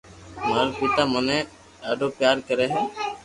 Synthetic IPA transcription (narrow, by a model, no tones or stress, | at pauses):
maːɾpɪt̪aːmənẽ | ɖaːɖoːpjaːɾkəɾeːɦɛ̃ː